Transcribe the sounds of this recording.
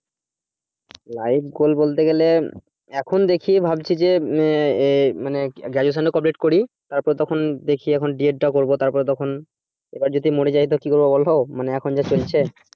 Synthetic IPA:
lajbɡolbolt̪eɡɛle | ɛkʰond̪ekʰibʱabt͡ɕʰid͡ʑe | maneɡad͡ʑos̬anɖokɔp̬leʈkoɾi | t̪aɾpɔɾt̪ɔkʰond̪ekʰiɛkʰonɖieɖ̚ʈakoɾbot̪aɾpɔɾet̪̬ɔkʰon | ḛbaɾd͡ʑod̪ʱimoɽed͡ʑaɦit̪okikoɾbobɔlɦɔmaneɛkʰond͡ʑat͡ɕolt͡ɕʰe

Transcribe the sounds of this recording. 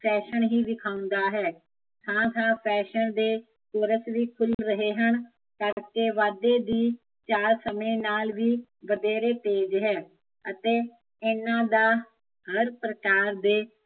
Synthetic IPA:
pʰɛːʃənɦiːd̪ɪkʰaːʊ̃nd̪aːɦɛː | sãːsãːpʰɛːʃənd̪eː | koːɾəsʋiːkʰʊlɾəɦeːɦən | kəɾkeːʋaːd̪eːd̪iː | t͡ʃaːɾsəmẽːnaːlʋiː | ʋəd̪eːɾeːt̪eːd͡ʒɦɛː | ət̪eː | ɪnãːd̪aː | həɾpɾəkaːɾd̪eː

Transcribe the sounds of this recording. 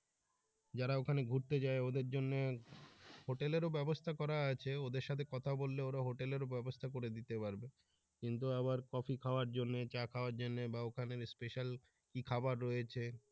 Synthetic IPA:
d͡ʑaɾaokʰaneɡʱuɾt̪ed͡ʑaeod̪eɾd͡ʑonːe | hoʈeleɾobɛbost̪ʰakɔɾaat͡ɕʰeod̪eɾʃat̪ʰekɔt̪ʰabolːeoɾaɦoʈeleɾobɛbost̪ʰak̬oɾed̪it̪epaɾbe | kint̪uaβaɾkɔfʰikʰaoaɾd͡ʑonːet͡ɕakʰaoaɾd͡ʑonːebaokʰaneɾspeʃal | kikʰabaɾːɔjet͡ɕʰe

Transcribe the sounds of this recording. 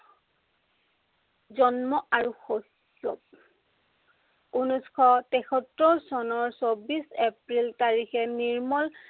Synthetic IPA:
zɔnmɔaɹuxo | kːɔ | unuskʰɔtɛkʰɔtɹɔsɔnɔɹsobisepɹiltaɹixɛniɹmɔl

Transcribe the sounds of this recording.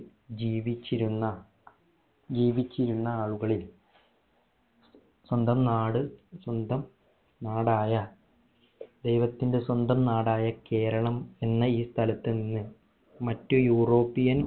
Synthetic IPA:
d͡ʑiːʋit͡ɕːiɾunːɐ | d͡ʑiːʋit͡ɕːiɾunːɐaːɭuɣɐɭil | swɐnd̪ɐmnaːɽɨswɐnd̪ɐm | naːɽaːjɐ | d̪e̞jʋɐt̪ːinde̞swɐnd̪ɐmnaːɽaːjɐke̞ːɾɐɳɐme̞nːɐiːst̪ʰɐlɐt̪ːɨninːɨ | mɐtːujuːro̞ːpːijɐn

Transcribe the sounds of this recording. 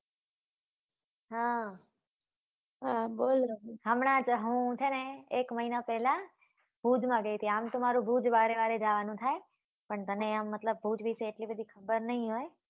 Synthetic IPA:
ɦa | ɦabolɾoɦəmɳãt͡ʃɦũt͡ʃʰeneekməɦinapɛɦlã | b̥ʱud͡ʒmãɡəjt̪ʰiamt̪omaɾũbʱud͡ʒʋaɾeʋaɾed͡ʒaʋanũt̪ʰae | pəɳt̪əneamːət̪ləb̚ːʱud͡ʒʋiseːʈlibəd̪ʱikʰəbəɾnəɦĩɦoj

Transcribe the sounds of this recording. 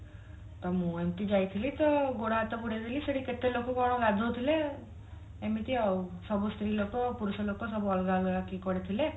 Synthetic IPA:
t̪ɔmũemt̪id͡ʒajt̪ʰilit̪ɔɡoɽaːt̪ɔkuɽet̪ʰiliseɽiket̪ːelokoɡɔɽ̃ɔ̃ɡad̪ʱot̪ʰile | emit̪iɔusɔbust̪ɾilokopuɾusɔlokosɔbuɔlɡalakikɔɽet̪ʰile

